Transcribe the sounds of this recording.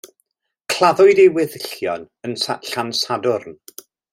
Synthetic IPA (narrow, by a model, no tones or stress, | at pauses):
kʰl̥ˠaðʊɨdewɪðɪɬjɔn | ənsa̰ɬansadʊrn